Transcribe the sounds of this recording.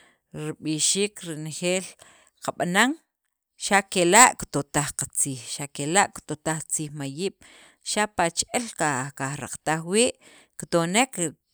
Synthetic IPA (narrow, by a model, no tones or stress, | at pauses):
ɾiɓiʃiːkɾinxeːl | qaɓanaŋ | ʃakelaʔkt̪ot̪aχqat͡siːxʃakelaʔkt̪ot̪aχt͡siːχmajiːɓ̥ | ʃapat͡ʃʔelkakaχɾa̰qt̪aχwiːʔ | kt̪onek